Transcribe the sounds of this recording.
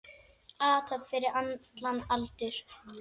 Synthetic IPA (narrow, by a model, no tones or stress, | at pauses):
aːt̪ʰœpfɪɾɪɾant̪lanalt̪ʏɾ̥